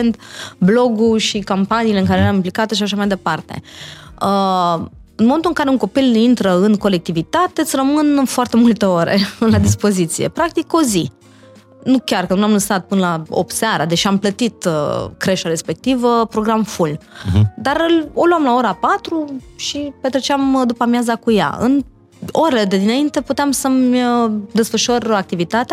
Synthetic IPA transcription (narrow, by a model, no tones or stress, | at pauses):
ent̪blo̞ɡuʃikampaniːleɨŋkaɾeeɾamimplikat̪eʃiaʃamajd̪e̞part̪e̞̰ə | ɨnmomnt̪uɨŋkaɾeuŋko̞pilint̪ɾəɨnko̞le̞k̚t̪ivit̪at̪e̞t̪sʲrəmɨnɨfoart̪e̞mult̪e̞o̞ɾḛɨnlad̪ispo̞zit̪sije̞̰pɾak̚t̪iko̞zi | nukʲarkənuamlɨsat̪̚pɨnəlaop̚t̪seaɾad̪et͡ʃiamplət̪it̪kɾe̞ʃaɾe̞spe̞k̚t̪ivəpɾo̞ɡɾamfuld̪aɾɨloluamlao̞ɾapat̪ɾuʃipet̪ɾet͡ʃeamd̪upamjazakuja̰ɨ̰n | o̞ɾele̞d̪ed̪inaint̪e̞put̪eamsəməd̪e̞sfəʃorak̚t̪ivit̪at̪ea